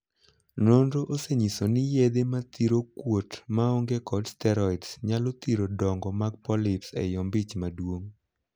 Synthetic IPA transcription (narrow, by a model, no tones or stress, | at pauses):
nondoʔoseɲisonɪjed̪emat̪iɾokwotmaɔŋɡekɔdstɛɾɔidsɲalot̪iɾodɔŋɡɔmaɡ̚pɔlɪpsɛ̰jɔmbit͡ʃmadwoŋ